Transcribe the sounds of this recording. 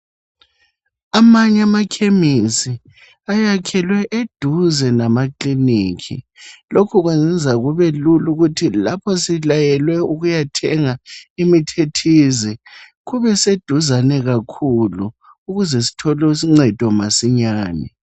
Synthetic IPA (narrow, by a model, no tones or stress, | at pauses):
amaɲamakʰemisi | ajakʰɛlwɛʔed̥ʱuzɛnamakliniːkʰḭlokʰuɣwezɛnd͡zʱaɣuβɛluluɣutʰilapʰɔsilajɛlwɛuɣujatʰɛŋaimitʰetʰizi | ɣuβɛsed̥ʱuzanɛɣakʰulu | uɣuzɛsi̥tʰɔlɔsiŋ͡ǀɛd̥ʱɔmasiɲaːnɛ̰